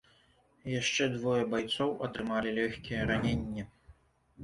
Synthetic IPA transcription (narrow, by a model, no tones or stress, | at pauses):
jaʂt͡ʂɛd̪vɔjɐbajt̪sɔwʔɐt̪ɾɨmalʲilʲɔxʲkʲijɛɾanʲenʲːɛ